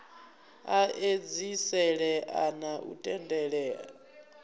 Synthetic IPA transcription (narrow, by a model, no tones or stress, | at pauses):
aʔed͡zisɛɺɛʔanaʔṵtʼɛndʼɛɺɛa